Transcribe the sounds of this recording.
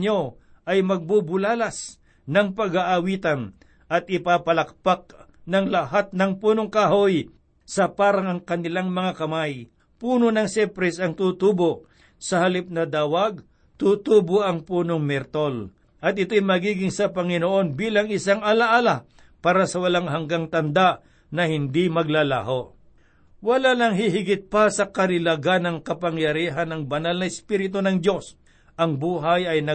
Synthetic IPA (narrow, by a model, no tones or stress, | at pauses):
ɲo | ʔɐjmɐɡ̚bubʊlaːlɐs | nɐŋpɐɡaʔawiːt̪ɐn | ʔɐt̪̚ʔɪpaːpɐlɐk̚pak̚ | nɐŋlɐɦat̪̚nɐŋpuːnoŋkahoj | sɐpaːɾɐŋɐŋkɐnɪlaŋmɐŋakɐmaj | puːnonɐŋsɛpɾɛsɐŋt̪ut̪uːbo | sɐhɐlip̚nɐd̪aːwaɡ | t̪ut̪uːboʔɐŋpuːnoŋmɛɾt̪ol | ʔɐt̪̚ɪt̪o̞jmɐɡiːɡɪŋsɐpɐŋɪnoʔo̞nbiːlɐŋɪsaŋɐlaʔaːla | paːɾɐsɐwɐlaŋɦɐŋɡaŋt̪ɐnd̪aʔ | nɐhɪnd̪imɐɡ̚lala̰ːɦo̞ | wɐlanɐŋɦɪɦɪɡɪt̪̚pasɐkɐɾɪlaɡanɐŋkɐpɐŋjɐɾiːɦɐnɐŋbɐnalnɐɪspiːɾɪt̪onɐŋd̪o̞s | ʔɐŋbuːɦajɐjnɐ